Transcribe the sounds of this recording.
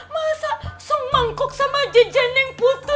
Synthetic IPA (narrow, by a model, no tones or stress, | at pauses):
masasɔŋmaŋkʊk̚samad͡ʒid͡ʒanɪŋput̪ʊ